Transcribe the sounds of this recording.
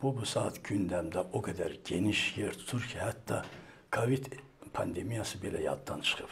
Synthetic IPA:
b̥ubusɑːt̪ʰɟynd̪æmd̪æʔoɡæd̪æɾɟe̞niʃjeɾt̪ʰu̥t̪ʰuɾcʰihæt̪ːɑ̰ | kʰovid̪ | pʰɑnd̪e̞mijɑsɯbe̞læjɑ̰d̪d̪ɑnt͡ʃʰɨ̥χɯp

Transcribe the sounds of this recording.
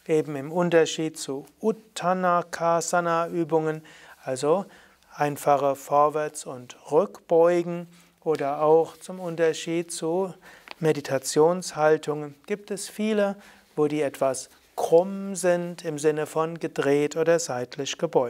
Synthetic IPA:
ʔeːbm̩ɪmʊntɐʃiːtt͡suutʰanakʰazanaʔyːbʊŋən | ʔalzo | ʔaɪnfaχəfɔɐvɛɐt͡sʊntʁʏkb̥ɔʏɡŋ̩ | ʔoːdɐaʊxt͡sʊmʊntɐʃiːt̚t͡sumeditʰat͡sjoːnshaltʰʊŋənɡ̥iːp̚tɛsfiːlə | voːdiːɛtv̥as | kʁ̥ʊmzɪntʰɪmzɪnəfɔnɡədʁeːtʰoːdɐzaɪtʰlɪʃɡ̥əbɔʏ

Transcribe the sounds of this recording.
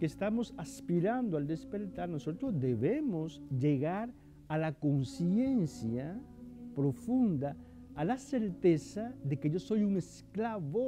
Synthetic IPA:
kest̪amo̞saspiɾand̪oald̪espe̞ɾt̪aɾnoso̞t̪ɾod̪eβemosʝe̞ɣaɾ | alako̞nsjensja | pɾofund̪aː | laseɾt̪e̞saðe̞ke̞ʝo̞so̞juŋesklaβo

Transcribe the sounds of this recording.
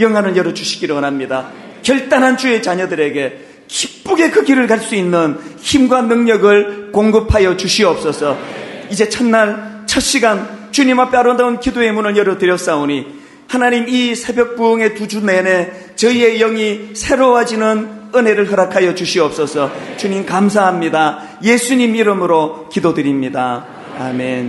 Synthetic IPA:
jʌŋɦanɯnjʌɾʌd͡ʑuɕʰi̥ɡiɾoʌnamɲida | kjʌɭt͈anɦant͡ɕue̞t͡ɕaɲʌdɯɾe̞ɡe̞ | kip͈uɡe̞kɯɡiɾɯɭkaɭs͈uinːɯnçimɡwanɯŋɲʌɡɯɭkoŋɡɯpʰajʌt͡ɕuɕʰiʌp̚s͈ʌsʰʌid͡ʑe̞t͡ɕʰʌnːaɭ | t͡ɕʰʌt̚ɕ͈iɡant͡ɕuɲimapʰeaɾʌdankidoe̞munɯɭjʌɾʌtɯɾjʌs͈aoni | hanaɲimisʰe̞bjʌk̚p͈uɯŋe̞tud͡ʑunene̞ | t͡ɕʌie̞jʌŋisʰe̞ɾowad͡ʑinɯn | ɯne̞ɾɯɭɦʌɾakʰajʌt͡ɕuɕʰiʌp̚s͈ʌsʰʌt͡ɕuɲimkams̬ʰaɦamɲida | je̞sʰuɲimiɾɯmɯɾokidodɯɾimɲida | a̰men

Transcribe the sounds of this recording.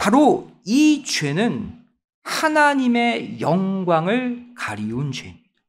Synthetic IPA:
paɾoit͡ɕwe̞nɯn | hanaɲime̞jʌŋɡwaŋɯɭkaɾiund͡ʑwe̞mid̥a

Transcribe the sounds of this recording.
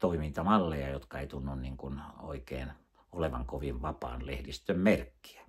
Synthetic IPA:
t̪oimint̪ɑmɑlːejɑjot̪kɑeˑit̪unːunniŋkuno̰ikeːn | oleʋɑ̰ŋkoʋiʋʋɑpɑ̰ːnlehdist̪ømmerkːi̥æ

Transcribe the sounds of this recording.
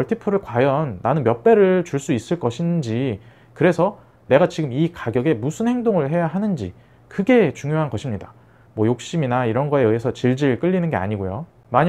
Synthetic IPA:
ʌɭtʰipʰɯɾɯɭkwajʌnːanɯnmjʌp͈e̞ɾɯɭt͡ɕuɭs͈uis͈ɯɭk͈ʌɕʰind͡ʑi | kɯɾe̞sʰʌ | ne̞ɡat͡ɕiɡɯmikaɡjʌɡe̞musʰɯnhe̞ŋdoŋɯɭɦe̞jaɦanɯnd͡ʑi | kɯɡe̞t͡ɕuŋjoɦanɡʌɕʰimɲida | mwʌjok̚ɕ͈iminaiɾʌnɡʌe̞ɯɦesʰʌt͡ɕiɭd͡ʑiɯɭk͈ɯʎːinɯnɡe̞a̰ɲiɡojo̰ | maɲ

